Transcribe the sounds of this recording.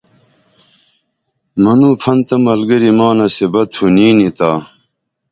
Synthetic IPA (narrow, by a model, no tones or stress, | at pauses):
mɐnuːpʰɐnt̪ɐmɐlɡɐɾimaːnɐsebɐt̪ʰuniːnit̪aː